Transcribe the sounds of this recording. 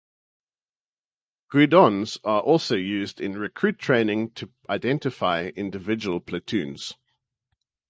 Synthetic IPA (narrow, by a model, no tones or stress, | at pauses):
ɡ̥ɹʉdɔ̃nz̥əɹʔɔˑlˠsəʊjʉːzdɪ̃nɹɪkʰɹ̥ʉˑtʰɹ̥ẽɪ̃nɪ̃ŋtʰə | ʔaɪdɛ̃ntɪfaɪɪ̃ndɪvɪd͡ʒəwəlˠpʰlətʰʉ̃ːnz̥